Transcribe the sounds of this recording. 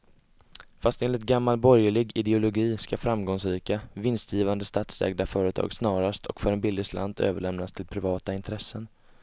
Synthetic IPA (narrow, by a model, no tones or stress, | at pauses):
fast̪eːnlɪt̪̚ɡamːalbɔɾjəɭɪɡɪd̪ɛʊlʊɡiːskafɾamɡɔŋsɾiːkavɪnst̪ʰjiːvand̪əst̪aːt̪sɛ̰ːɡd̪afœːɾət̪ʰɑ̰ːɡsnɑːɾast̪ʰɔkfœɾɛnbɪlːɪslʔa̰nd̪ø̰ːvəɭɛmnast̪ʰɪlpʰɾɪvɑːt̪aɪnt̪ʰɾɛsːən